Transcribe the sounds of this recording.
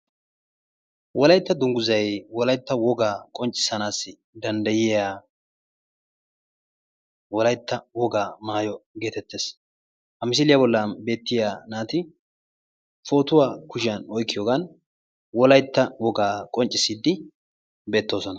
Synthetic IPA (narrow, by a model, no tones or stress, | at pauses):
wʔɔlɐjt̪ːɐd̪ʊŋɡʊzɐjwɔlɐjt̪ːɐwɔɡaːkʼɔnt͡ʃʼːɪ̥sɐnaːsːɪ | d̪ɐnd̪ɐjɪjaː | wɔlɐjt̪ːɐwɔɡaːmaːjɔɡe̞ːt̪ɛt̪ːe̞ːs | hɐmɪs̬ɪlɪjabɔlːɐbe̞ːt̪ːɪjaːnaːt̪ɪ | fo̞ːt̪ʊwaːkʊʃɪjɐnɔjkːɪjoːɡan | wɔlɐjt̪ːɐwɔɡaːkʼɔnt͡ʃʼːɪsiːd̪ːɪ | be̞ːt̪ːo̞ːsɔnɐ